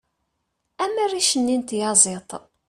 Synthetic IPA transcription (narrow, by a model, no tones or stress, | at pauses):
æmærːiʃənːint̪jɑzˤet̪ˤ